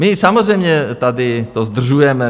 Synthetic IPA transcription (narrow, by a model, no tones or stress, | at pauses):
mɪsamozrɛjmɲɛt̪ad̪ɪt̪ozd̪r̩ʒujɛmɛ